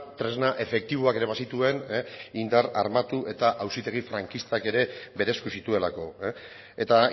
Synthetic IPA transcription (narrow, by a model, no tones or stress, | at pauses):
t̪ɾe̞znaʔe̞fe̞k̚t̪iβoake̞ɾe̞βasit̪ue̞nind̪aɾa̰ɾmat̪uʔe̞t̪aʔawsit̪e̞ɣ̞ifɾaŋkist̪ake̞ɾe̞be̞ɾe̞skusit̪ue̞lako̞ | et̪a